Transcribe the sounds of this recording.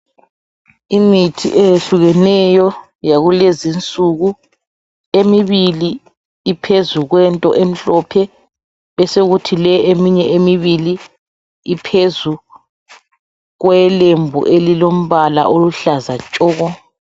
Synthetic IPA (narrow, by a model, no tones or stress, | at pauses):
imitʰḭʔejeɬuɣɛnɛjɔ | jaɣulezint͡sʼuɣu | emiβili | ipʰezuɣwɛntʼɔ̰ʔem̩ɬɔpʰɛ | βɛseɣutʰilɛʔemiɲɛʔemiβili | ipʰezu | ɣwɛlembʱṵʔelilom̩βala̰ʔoluɬazat͡ʃʼɔːɣɔ